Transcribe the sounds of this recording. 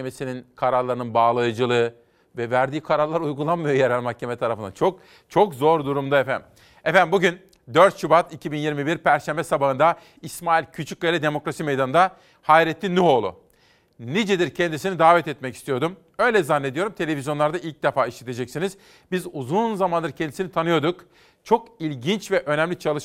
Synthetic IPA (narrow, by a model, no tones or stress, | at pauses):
emesininkʰaɾaɾlˠaɾɯnɯnbaːlˠajɯd͡ʒɯlˠɯ | vɛvæɾd̪iːkʰaɾaɾlˠaɾujɡulˠanmːɯjojeɾælʲmahcʰːemɛt̪ʰaɾafɯnd̪a̰t͡ʃʰo̞k̚ | t͡ʃʰo̞kzo̞ɾd̪uɾumd̪aefæ̰n | ɛfænbuɟyn | d̪øɾt̪ʃubat̪ʰicʰibinjiɾmibiɾpʰæɾʃæmbɛsabaɦɯnd̪a | ismaːilʲcʰyt͡ʃʰyc̚ʲɡajlʲid̪e̞mo̞kɾasimejd̪anɯnd̪a | hajɾɛt̪ʰːʲinyɦo̞lˠʊ̰ | nid͡ʒɛd̪iɾcʰɛnd̪isinid̪aːvɛt̪ɛt̪mɛci̥st̪ijo̞ɾd̪um | ø̞jlʲɛzanːe̞d̪ijo̞ɾumt̪ʰe̞lʲe̞vʲizjo̞nlˠaɾd̪ailʲc̚d̪efaːiʃlʲet̪ʰe̞d͡ʒɛcsiniz | bizuzunzamand̪ɯɾcʰɛnd̪isinit̪ʰanɯjo̞d̪uk | t͡ʃʰo̞kilʲɟint͡ʃvɛʔø̞nɛmlʲit͡ʃʰalˠɯʃ